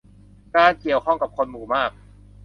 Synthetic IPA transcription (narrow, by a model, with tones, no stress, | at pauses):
kaː˧nki˨˩əwkʰɔ˥˩ŋka˨˩p̚kʰo˧nmuː˨˩maː˥˩k̚